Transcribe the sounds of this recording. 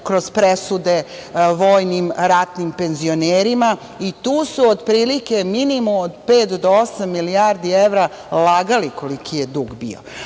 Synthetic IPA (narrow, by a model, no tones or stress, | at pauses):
kɾo̞z̥pɾesud̪e̞ʋoːjnimɾat̪nimpe̞nzio̞neːɾima | it̪uːsuod̪pɾiːlike̞minimuod̪peːt̪d̪oosamːiliaːɾd̪ieʋɾa | laɡaliko̞likʰijed̪uːɡbḭo̰